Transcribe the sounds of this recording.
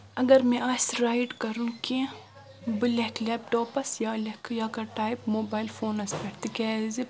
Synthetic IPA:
ɐɡɐɾmẽʔaːsɾaːiɖkɐɾũke | bɨleklɛːp̚ʈoːpɐsjaːlekjaːkɐʈaːjpmoːbaːɪlfoːnɐspɐɾt̪ikɛːzi

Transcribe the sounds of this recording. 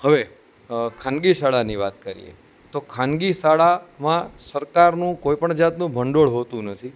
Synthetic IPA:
həʋe | kʰãnɡisaɭaniʋat̪kəɾḭjḛ | t̪okʰanɡisaɭamãsəɾkaɾnũkoipəɳd͡ʒat̪nũbʱəɳɖoɭɦot̪ũnət̪ʰi

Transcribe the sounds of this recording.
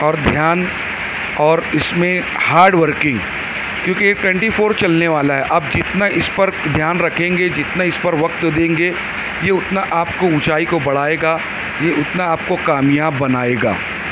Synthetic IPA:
ɔːɾd̪ʱjaːn | ɔːɾɪsmẽ | haːɾɖʋəɾkɪ̃ŋɡ | kjõːkijeʈwɛ̃ːɳʈifʰoːɾt͡ʃɐlneʋaːlaɦɛʔɐbd͡ʒɪt̪naʔɪspɐɾd̪ʱjaːnɾɐkʰẽːŋɡed͡ʒɪt̪naɪspɐɾʋɐk̚t̪d̪ẽːŋɡe | jeʊt̪naʔaːpkoʊt͡ʃaːikobɐɽ̤aːeːɡaː | jeʔʊt̪naaːp̚kokaːmjaːbːɐnaːeːɡa̰ː

